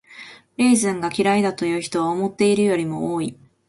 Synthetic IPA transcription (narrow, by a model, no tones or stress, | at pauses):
ɾʲeːzɨ̃ŋɡakʲiɾaid̪at̪o̞jɯ̟ːçi̥t̪o̞βaomo̞t̪ːe̞iɾɯ̟jo̞ɾʲimo̞̰oːi